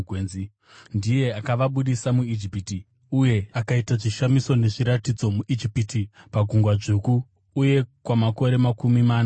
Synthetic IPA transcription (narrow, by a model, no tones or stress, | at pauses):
ɡʱweːzi | ndije̞akaʋaɓuɗisamuid͡ʒipiti | uje̞akaitaʐiʃamiso̞ne̞ʐiɾatid͡zo̞muʔid͡ʒipitipaɡʱuŋɡwaʐekuː | je̞kwamako̞ɾe̞makumimaːna